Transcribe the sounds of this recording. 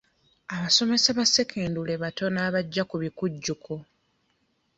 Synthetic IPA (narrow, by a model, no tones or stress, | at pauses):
aβaso̞me̞saβase̞kʰe̞ːndule̞βato̞naːβaɟːakuβikuɟːukʰo